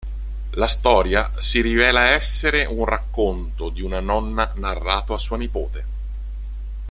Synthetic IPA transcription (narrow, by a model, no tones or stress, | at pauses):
last̪ɔːɾja | siɾivɛːlaɛsːeɾeʔunrakːont̪od̪iunanɔnːanarːaːt̪oasːuːanipoːt̪e